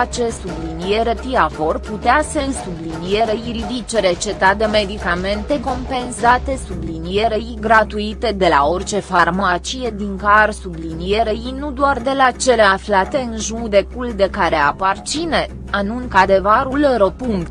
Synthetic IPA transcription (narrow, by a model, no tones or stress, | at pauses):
at͡ʃe̞sublinije̞ɾet̪iavo̞rput̪easesublinije̞ɾeiɾid̪it͡ʃeɾe̞t͡ʃe̞t̪at̪̚d̪eme̞d̪ikame̞nt̪e̞ko̞mpe̞nsat̪e̞sublinijeɾeiɡɾat̪uit̪e̞d̪e̞lao̞rt͡ʃe̞farmat͡ʃije̞d̪iŋkarsublinije̞ɾeinud̪oard̪e̞lat͡ʃe̞le̞aflat̪e̞ɨnʒud̪e̞kuld̪e̞kaɾea̰part͡ʃine | anunkad̪e̞vaɾulɾəpuŋkt̪